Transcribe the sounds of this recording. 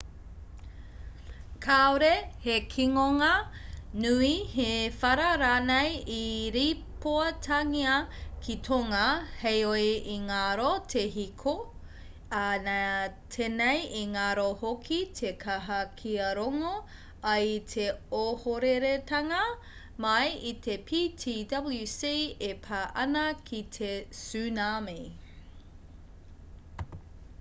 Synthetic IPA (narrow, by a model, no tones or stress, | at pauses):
kʰaoɾehekʰiŋoŋɐnuihefɐɾɐɾaːnejiɾipoɐtʰɐŋiɐkʰitʰoŋɐhejojʔiŋaɾotʰeɦikʰo | anatʰenejiŋaɾohokʰitʰekʰɐɦɐkʰiɐɾoŋo | ɐjtʰeohoɾeɾetɐŋɐ | mɐjitʰepʰitʰidɐbljusiepʰaʔɐnɐkʰitʰesʉːname